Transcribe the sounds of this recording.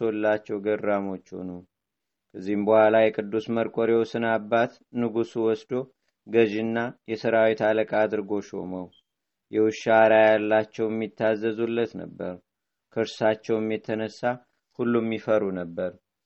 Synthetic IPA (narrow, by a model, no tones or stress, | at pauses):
olːat͡ʃːɛwɡərːamo̞t͡ʃːho̞̰nu | kʰəzːihmbəhʷalajɛkʼɨd̪ːusməɾkʼoɾewsɨnabːat̪ | nɨɡusuwɔsd̪o̞ | ɡəʒɨnːajɛsəɾawit̪aləkʼad̪ɨɾɡo̞ʃo̞̰məw | jɛwɨʃaɾajalːat͡ʃːɛwjɛmːit̪ʰːazːəzulːət̪nə̰bːəɾ | kʰəɨɾsat͡ʃːɛwɛmːjɛt̪ʰːənəsːa | hulːumːifəɾunəbːəɾ